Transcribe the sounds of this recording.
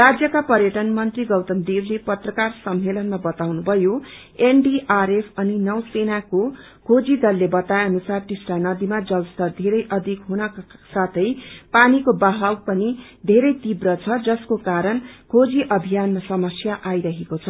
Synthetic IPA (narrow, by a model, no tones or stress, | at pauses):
rad͡zjʌkapʌɾjʌʈʌnmʌnt̪riɡʌwt̪ʌmd̪eblepʌt̪rʌkarsʌmːelʌnmabʌt̪awnubʱʌjo | enɖiʔaɾepʰʌninʌwsenako | kʰod͡zid̪ʌlːebʌt̪ajʌnusarʈisʈanʌd̪imad͡zʌlst̪ʌrd̪ʱeɾʌjʔʌd̪ʱikɦunʌksat̪ʰʌjpanikobaɦawpʌnid̪ʱeɾʌjt̪ibrʌt͡sʰʌd͡zʌskokaɾʌnkʰod͡ziʔʌbʱijanmasʌmʌsjaʔajɾʌɦekot͡sʰʌ